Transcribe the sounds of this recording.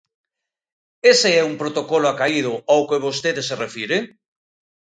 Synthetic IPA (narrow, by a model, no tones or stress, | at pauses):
eseɛumpɾot̪okɔlʊakaið̞ʊawkeβost̪eðeserefiɾe